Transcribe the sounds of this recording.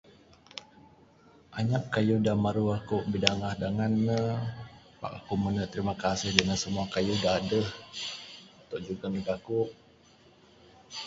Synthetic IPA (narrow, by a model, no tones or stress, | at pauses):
ʔaɲaʔkajudamaɾuakʊʔbidaŋahdaŋanːə | pa̰ʔakumənət̪əɾimakasɪhdəŋansəmuakajudaɦadəh | at̪oʔd͡ʒuɡaniɡakʊʔ